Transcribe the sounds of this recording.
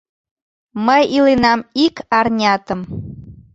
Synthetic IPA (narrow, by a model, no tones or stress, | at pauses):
məjilenɑmikɑrnʲɑt̪ə̆m